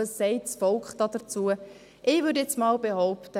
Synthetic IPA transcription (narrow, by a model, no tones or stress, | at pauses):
əsːɛɪtsfɔlkχd̥ɑd̥ət͡suə | ʔɪːʋʏɾdjɛt͡smɑːlbehɔʊptə